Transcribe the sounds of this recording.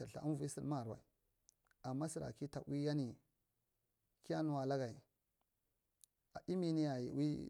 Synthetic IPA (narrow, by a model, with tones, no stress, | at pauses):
a˨ɬa̰˨ʔa̰˦n˦vu˨˦i˦si˦lma˦˨ɾwa̰˨i˨ | a˨mːa˦si˨ɾa̰˨ki˦ta˨wi˦ja˦ni˨ | ki˦ja˦nu˨wa˨la˦ɡa˨i˨ | a˨ʔi˦mi˦ni˦ja˨jḭ˨wi˦